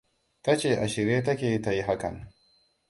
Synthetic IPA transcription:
ta˦t͡ʃeː˨ʔa˨ʃɪ˨ɾeː˦t̬ɐ˦kʲeː˨˦ta˨ji˦ɦa˦kɐ̰˨n

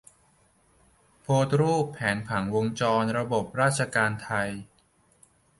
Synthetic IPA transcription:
pʰoː˧t̪̚ɾuː˥˩pʰːɛː˩˦npʰa˩˦ŋwo˧ŋt͡ɕɔː˧nɾa˧bo˨˩p̚ɾaː˥˩t̪̚t͡ɕʰa˧kaː˧nt̪ʰa˧j

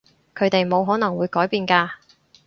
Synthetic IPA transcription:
kʰɵ˨˧ɥt̪e˨jmo˨˧wɦɔː˨˥nɐ˨˩ŋwuː˨˧jkɔː˨˥jpiː˨˧nkaː˧

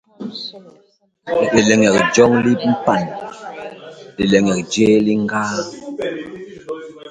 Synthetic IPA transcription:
e˨lɛ˨ŋɛ˨k̚d͡ʒɔ˦ŋli˦m̩˦pa˦˨n | e˨lɛ˨ŋɛ˨k̚d͡ʒe˦li˦ŋ˦ɡaː˦

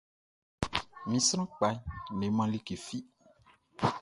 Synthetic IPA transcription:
mĩ˨sɾ̃ã˦k͡pa˨˦ne˨mã˦li˦ke˨fi˦

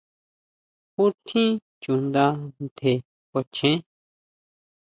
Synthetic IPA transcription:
ku˦t̪ʰĩ˦ | t͡ʃu˨nd̪a˧nt̪ʰe˨ | kʷa˨˧t͡ʃẽ˦

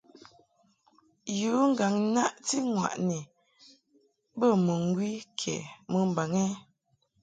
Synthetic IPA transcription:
juː˨˦ŋ̩˦ɡa˨ŋ˦na˦ʔti˦ŋwa̰˨ʔnɛ˨ | bə˦˨mə˨ŋ˦ɡwi˦kʰɛ̰˨mə˨m̩˨ba˨ŋɛ˦

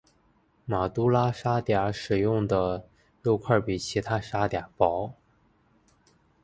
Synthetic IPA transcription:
ma˨˩t̪u˥la˥ʂa˥t̪ja˨˧˥ʂɻ̩˨˩jʊ˥˩ŋd̪ə˩ | lu˥˧ʊkʰwa˥˩pi˨˩t͡ɕʰi˧˥t̪ʰa˥ʂa˥t̪ja˨˧˩pɑ˧˥ʊ

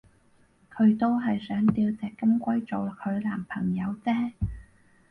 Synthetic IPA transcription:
kʰɵ˨˧ɥt̪o˥wɦɐ˨jsœː˨˥ŋt̪iː˧wt͡sɛː˨˩kːɐ˥mkʷɐ˥jt͡so˨˩wk̚hʰɵ˨˧ɥlaː˨˩mpʰɐ̰˨˩ŋjɐ˨˧wt͡sɛː˥

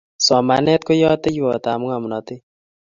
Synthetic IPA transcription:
sɔ˨ma˨nɛ˦t̪̚ko˦jɔ˦t̪ɛ˦ju˦ɔ˨t̪a˨mʊ˦ŋa˨mu˨nɔ˨t̪ɪ˦

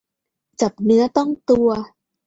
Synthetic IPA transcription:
t͡ɕa˨˩p̚nɯ˦˥ɐt̪ɔ˥˩ŋt̪u˧ɐ

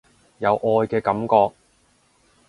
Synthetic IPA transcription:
jɐ˨˧wʔɔː˧jkɛː˧kɐ˨˥mkɔː˧k̚

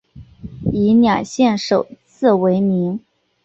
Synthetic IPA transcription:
i˧˥njɑ˨˩ŋɕjɛ˥˩nʂo˨˩ʊt͡sʰɹ̩˥˩we˧˥ɪmi˧˥ŋ

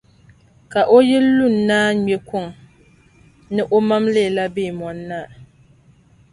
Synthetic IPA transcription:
ka˨ʔo˦jɛ˦lu˦˨n̩˨naː˦ɲɛ˨kʷʊ˦˨ŋ | nɨ˦ʔo˦ma˦mle˦˨la˦beː˦˨mɔ˨nːa˦˨

